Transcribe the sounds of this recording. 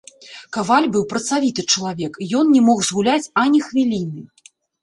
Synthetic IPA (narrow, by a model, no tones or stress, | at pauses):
kavalʲbɨwpɾɐt̪savʲit̪ɨt͡ʂɐlˠavʲɛkjɔnnʲɛmɔɣzɣulʲat͡sʲɐnʲixvʲilʲinɨ